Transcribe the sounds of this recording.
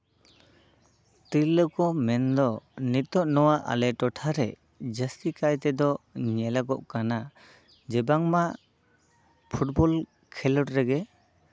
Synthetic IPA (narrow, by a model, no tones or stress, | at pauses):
t̪ilːəkɔmɛnd̪ɔnit̪ɔʔ̚nɔwaʔa̰lɛʈɔʈʰaɾɛ | d͡ʒəst̪ikajt̪ɛd̪ɔɲɛlaɡɔʔkana | d͡ʒɛbaŋmaʔ | pʰuʈ̚bɔl | kʰɛlɔʈɾɛɡɛ